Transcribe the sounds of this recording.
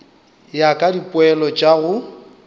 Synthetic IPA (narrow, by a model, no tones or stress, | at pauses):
jakʼadipʼʊɛlɔt͡ʃʼaɣʊ